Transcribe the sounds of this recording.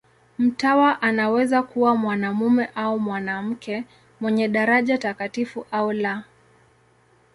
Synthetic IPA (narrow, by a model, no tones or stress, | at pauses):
m̩tawaʔanawɛzakuwamwanamumɛʔaumwanam̩kɛ | mwɛɲɛɗaɾaʄatakatifuʔaula